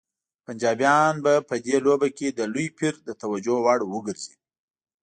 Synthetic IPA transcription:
pand͡ʒɑbjɑnbapəd̪elobaked̪əlujpiɾd̪ət̪awad͡ʒowaɽwəɡəɾz̥i

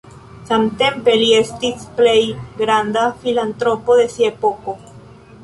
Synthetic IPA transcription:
samte̞mpe̞lie̞stisple̞jɡɾandafilant̪ɾo̞po̞ðe̞siaepo̞ko̞

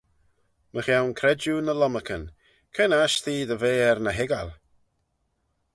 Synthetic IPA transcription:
məxjawnkʰɾɛd͡ʒunəlɔməkʰən | kʰɛnaʃtiːd̪əveːɛɾnəɦɪɡal

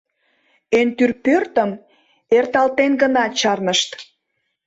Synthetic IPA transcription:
ent̪yrpørt̪əm | ert̪ɑlt̪enɡənɑt͡ɕɑrnəʃt̪

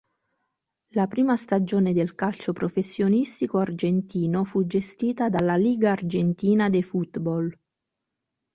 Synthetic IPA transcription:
lapɾiːmast̪ad͡ʒoːned̪elkalt͡ʃopɾofesːjonist̪ikoard͡ʒent̪iːnofud͡ʒest̪iːt̪ad̪alːaliːɡaːrd͡ʒent̪iːnad̪efut̪bɔl

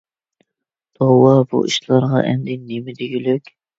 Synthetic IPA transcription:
t̪ʰowɑbṵʔḭʃlˠɑɾʁɑ̰ʔɛ̰nd̪ɛnemɪd̪ɪɡʲylykʲ

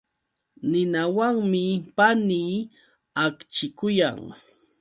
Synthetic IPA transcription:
nɪnawaŋmɪpaniː | akt͡ʃɪkʊja̰ŋ

